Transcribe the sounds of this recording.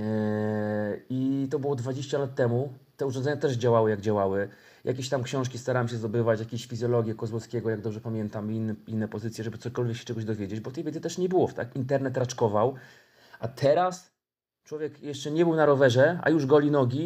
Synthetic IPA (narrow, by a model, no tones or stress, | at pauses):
it̪ɔbɘwɔd̪vad͡ʑeɕt͡ɕalat̪ːɛmut̪ɛuʐɔnd̪zɛɲat̪ɛʐd͡ʑawawɘjaɡd͡ʑawawɘ | ja̰kʲeɕt̪amkɕɔ̃w̃ʂkʲist̪aɾawamɕɛzd̪ɔbɘvat͡ɕjakʲeɕfʲizʲjɔlɔɡʲjɛkɔzwɔskʲɛɡɔjaɡ̚d̪ɔbʐɛpamʲjɛnt̪aminːinːɛpɔzɘt̪sʲjɛʐɛbɘt̪sɔkɔlvʲjɛkɕɛ̥t͡ʂɛɡɔʑd̪ɔvʲjed͡ʑed͡ʑbɔt̪ɛjvʲɛd̪ɘt̪ɛʂɲɛbɘwɔft̪a̰kint̪ɛɾnɛt̪ɾat͡ʂkɔvaw | ʔat̪ʰɛɾas | t͡ʂwɔvʲjɛkjɛʂt͡ʂɛɲɛbɘwnaɾɔvɛʐɛa̰juʐɡɔlʲinɔɡʲi